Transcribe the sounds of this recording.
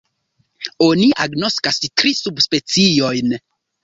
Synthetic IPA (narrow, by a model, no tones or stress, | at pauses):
o̞niʔaɡno̞skastɾisubspe̞t͡sio̞jn